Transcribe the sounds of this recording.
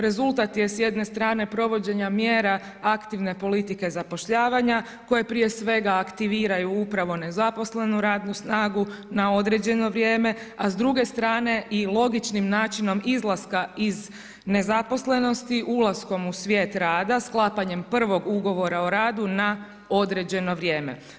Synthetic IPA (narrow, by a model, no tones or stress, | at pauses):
ɾe̞zulˠt̪at̪je̞sje̞d̪ne̞st̪ɾaːne̞pɾo̞ʋo̞d͡ʑe̞ɲamjeːɾa | akt̪iʋne̞po̞lit̪ike̞zapo̞ʃʎaːʋaɲa | ko̞je̞pɾije̞sʋe̞ɡaːkt̪iʋiːɾajuupɾaʋo̞ne̞zapo̞sle̞nuɾaːd̪nusnaːɡunao̞d̪ɾe̞d͡ʑe̞no̞ʋɾjeːme̞azd̪ɾuɡe̞st̪ɾaːne̞ʔilˠo̞ɡit͡ʃnimnaːt͡ʃino̞mizlˠaskaiz | ne̞zapo̞sle̞no̞st̪iʔulˠasko̞musʋjeːt̪ɾaːd̪asklˠaːpaɲe̞mpr̩ʋo̞ɡuɡo̞ʋo̞ɾaoɾaːd̪una | o̞d̪ɾe̞d͡ʑe̞no̞ʋɾje̞ːmḛ